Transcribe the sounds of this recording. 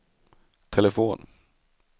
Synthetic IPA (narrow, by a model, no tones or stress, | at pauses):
t̪ʰɛlɛfoːn